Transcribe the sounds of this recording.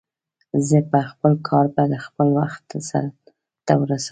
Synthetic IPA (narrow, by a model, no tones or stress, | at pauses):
zəpaxpəlkʰɑɾbajd̪əxpəlwaxt̪sa̰ɾa | t̪awəɾasa